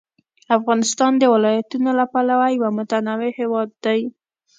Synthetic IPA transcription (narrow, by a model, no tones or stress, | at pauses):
afɣɑnɪst̪ɑnd̪əwɪlɑjat̪unolapalawajwamʊt̪anɑwehewɑd̪ːaj